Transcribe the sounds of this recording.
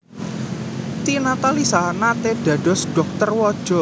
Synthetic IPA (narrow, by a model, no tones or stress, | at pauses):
t̪inat̪alisanat̪eɖ̥a̤ɖ̥ɔsɖ̥ɔk̚t̪ərwɔd̥ʒ̥ɔ̤